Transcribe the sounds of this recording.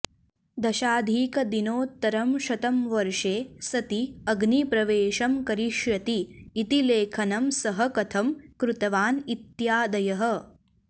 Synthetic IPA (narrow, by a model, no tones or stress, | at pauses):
d̪ɐʃaːd̪ʱiːkɐd̪inoːt̪ːɐɾɐmʃɐt̪ɐmʋɐɾʂeːsɐt̪iɐɡnipɾɐʋeːʃɐmkɐɾiʃjɐt̪iːt̪ileːkʰɐnɐmsɐɦɐkɐt̪ʰɐmkɾut̪ɐʋaːnit̪jaːd̪ɐjɐɦɐ̆